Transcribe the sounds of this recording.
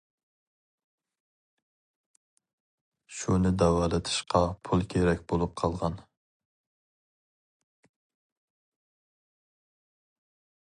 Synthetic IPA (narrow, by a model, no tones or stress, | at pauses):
ʃunɪd̪ɛwɑːlˠɨt̪ʰɨ̥ʃqʰɑpʰulˠkʲʰeɾɛkʲbolˠup̚qʰɑlˠʁɑn